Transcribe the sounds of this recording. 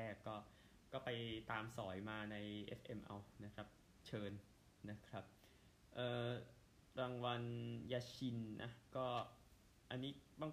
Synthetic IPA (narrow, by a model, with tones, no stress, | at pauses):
ɛː˥˩kːɔː˥˩ | kɔː˥˩pa˧jt̪aː˧msɔː˩˦jmaː˧na˧jʔḛ˦˥sʔe˧mʔa̰˧wna˦˥kʰɾa˦˥p̚ | t͡ɕʰɤː˧n | na˦˥kʰɾa˦˥p̚ | ʔɤː˨˧˩ | ɾaː˧ŋwa˧njaː˧t͡ɕʰi˧nnʔa˦˥kɔː˥˩ | ʔa˧nːiː˦˥baː˥˩ŋ